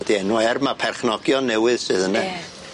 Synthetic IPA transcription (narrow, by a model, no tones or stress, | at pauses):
diɛnwɛrmapʰɛrχnɔɡjɔnːɛwɨðsɨðənɛ